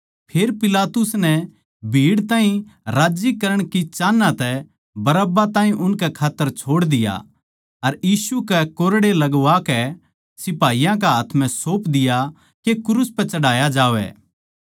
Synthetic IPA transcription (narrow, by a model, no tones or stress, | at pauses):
pʰeːɾpɪlaːt̪ʊsnɛ | bʱiːɽt̪ãːĩɾaːd͡ʒikɐɾəɽ̃kit͡ʃaːnːãt̪ɛ | bɐɾəbat̪ãːɦĩʔʊnkɛkʰaːt̪ːəɾt͡ʃʰoːɽd̪ɪja̰ | ɐɾjiːsukɛkoːɾɽelɐɡʋakɛ | sɪpaːijãk̬ɛɦaːt̪ʰmɛ̃soːpd̪ɪja | kekʊɾuspɛt͡ʃɐɽaːjad͡ʒaːʋɛ̰ː